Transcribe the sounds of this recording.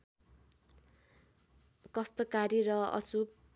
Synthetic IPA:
kʌst̪ʌkaɾiɾʌʌ̰sub̚

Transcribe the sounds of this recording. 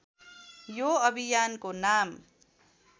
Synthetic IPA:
joʌbʱijankonam

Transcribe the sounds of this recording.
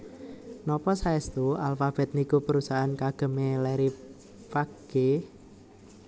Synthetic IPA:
nɔpɔsaɛst̪ualfab̥ɛ̤t̪̚nikupəɾusaɦankaɡ̥ə̤melɛɾi | faɡ̥e

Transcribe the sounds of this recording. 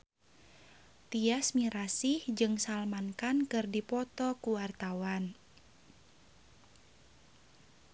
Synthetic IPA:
t̪iasmiɾasihd͡ʒɨŋsalmankankɨrdipɔt̪ɔkuwart̪awan

